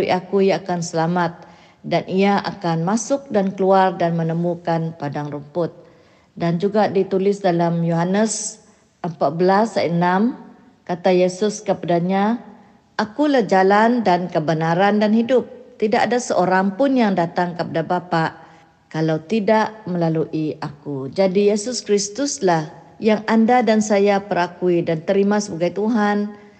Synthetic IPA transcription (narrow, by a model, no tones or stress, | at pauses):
iʔakujaːkansəlamat̪̚ | danʔiaʔa̰kanmasʊk̚dankəluardanmənəmukanpadaŋrumpʊt̪̚ | dand͡ʒuɡadit̪ulɪsdalamjoɦanəs | ʔəmpaʔ̚bəlasaənam | kat̪ajesʊskəpadaɲa | ʔakulahd͡ʒalandankəbənaɾandanhidʊp̚t̪idaʔadasəʔoɾaŋpʊnjaŋdat̪aŋkəpadabapaʔ | kalawt̪idaʔməlaluʔiʔakud͡ʒadijesʊskɾist̪ʊslah | jaŋandadansajapəɾakuidant̪əɾimasəbaɡajt̪uɦan